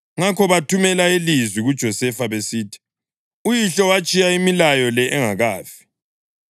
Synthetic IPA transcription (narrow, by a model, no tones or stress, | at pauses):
ŋakʰɔβatʰumɛlaelizwiɣud̥ʒ̥ʱɔsɛfaβesiːtʰi̥ | ujiɬɔwat͡ʃʼijaimilajɔlɛʔɛŋaɣaːfi̥